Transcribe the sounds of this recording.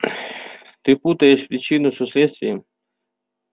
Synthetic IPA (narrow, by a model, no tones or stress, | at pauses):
t̪ɪput̪əjeʂpɾʲɪt͡ɕinʊsʊsʲlʲɛt̪st̪vʲɪjɐ